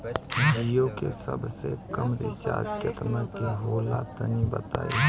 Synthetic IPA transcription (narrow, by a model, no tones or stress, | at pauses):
d͡ʒijokesəbsekəmɾisa̰ːd͡ʒkət̪məkiɦoːlat̪ənibət̪aːi